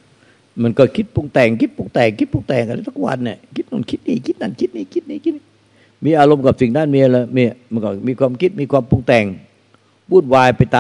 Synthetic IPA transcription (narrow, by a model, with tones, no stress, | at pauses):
ma˧˩˥nkɔː˧˩kʰi˦˥t̪̚po˧ŋt̪ɛː˨˩ŋkʰi˦˥t̪̚po˧ŋt̪ɛː˨˩ŋkʰi˦˥t̪̚po˧ŋt̪ɛː˨˩ŋka˧nda˧˥˩t̪ʰu˥˩kwa̰˧nːi˧˩kʰi˦˥t̪̚na̰˧˩nkʰi˦˥t̪̚niː˧˩kʰi˦˥t̪̚na˧˩nkʰi˦˥t̪̚niː˧t̪kʰi˦˥t̪̚niː˧˩kʰi˦˥t̪̚i˧ | miː˧ʔaː˧lo˧mka˨˩p̚si˨˩ŋdaː˥˩nmiː˧ʔa˧lːmi˧˩˨ma˧nkɔ̰˧˥˩miː˧kwaː˧mkʰi˦˥t̪̚miː˧kwaː˧mpu˧ŋt̪ɛː˨˩ŋ | muː˥˩t̪̚waː˧jpa˧jt̪aː˧